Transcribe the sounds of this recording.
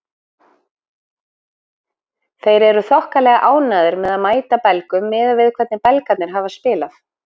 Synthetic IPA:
θejɾɛɾʏθɔhkalɛɣaʔaːwnaːðʏɾmɛðaðmaːjt̪apɛlkʏmːɛðavɪðkʰvɛɾt̪nɪpɛlkat̪nɪɾ̥ɦaːvaspɪːlaf

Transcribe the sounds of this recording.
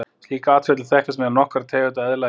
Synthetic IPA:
sliːkaaːt̪fɛt̪lɪ̥θɛhkɪsmɛanɔhkɾat̪ʰɛːvɪt̪aɛðla

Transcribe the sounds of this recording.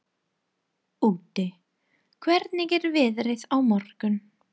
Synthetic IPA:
uːt̪ɪ | kʰvɛɾt̪nɪɣɛɾvɪðɾɪðawmɔɾ̥kʏn

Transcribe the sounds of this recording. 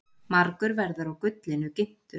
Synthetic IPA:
maɾkʏɾvɛɾðʏɾawkʏt̪lɪnʏcɪm̥t̪ʏ̥

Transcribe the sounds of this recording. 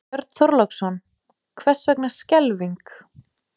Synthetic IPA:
œɾt̪θɔɾlaksɔn | kʰvɛr̥svɛknḁscɛlviŋk

